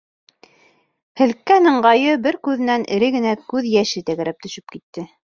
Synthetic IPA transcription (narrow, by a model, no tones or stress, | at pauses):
hɘ̆lkːænɤ̆ɴɢɑjɤbɘɾkʉðɘ̆nænɘ̆ɾɘɡɘ̆nækʉðjæʃɘt̪æɣæɾæp̚t̪ɵ̆ʃɵ̥p̚kit̪ːɘ